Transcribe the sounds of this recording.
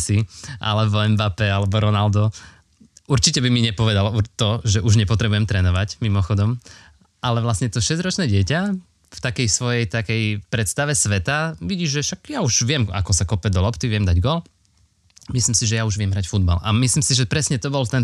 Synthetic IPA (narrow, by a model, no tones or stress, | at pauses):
siʔa̰lɛbɔɛmbaːpɛalɛbɔɾɔnald̪ɔ | uɾt͡ʃicɛbimiɲɛpɔʋɛd̪alut̪ɔʒɛʔuʒɲɛpɔt̪ɾɛbujɛmt̪ɾɛːnɔʋacmimɔxɔd̪ɔm | ʔalɛʋlasɲɛt̪ɔʃɛzɾɔt͡ʃnɛːɟɪɛca | ft̪akɛjsʋɔjɛjt̪akɛjpɾɛt̪st̪aʋɛsʋɛt̪aʋiɟiːʒʒɛʃaɡjauʒʋɪɛma̰kɔsakɔpɛd̪ɔlɔpt̪iʋɪɛmd̪aɟɡɔl | mislimsiʒɛjauʒʋɪɛmɦɾacfud̪̚ba̰la̰mislimsiʒɛpɾɛsɲɛt̪ɔbɔlt̪ɛn